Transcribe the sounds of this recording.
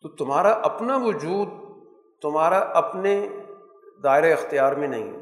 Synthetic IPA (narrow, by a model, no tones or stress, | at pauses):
t̪oːt̪ʊmɦaːɾaʔɐpnaʋʊd͡ʒuːd̪̚ | t̪ʊmɦaːɾaʔɐpne | d̪aːɪɾeɪxt̪ɪjaːɾmẽnɐ̰ɦḭ̃ː